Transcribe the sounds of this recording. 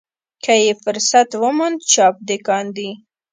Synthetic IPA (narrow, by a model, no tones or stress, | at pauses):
kajefʊɾsat̪wəmʊnd̪t͡ʃɑp̚d̪ekɑnd̪i